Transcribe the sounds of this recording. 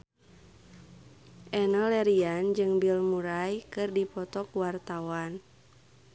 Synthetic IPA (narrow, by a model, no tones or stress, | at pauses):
ʔɛnɔlɛɾiand͡ʒɨŋbilmuɾajkɨrdipɔt̪ɔkuwart̪awan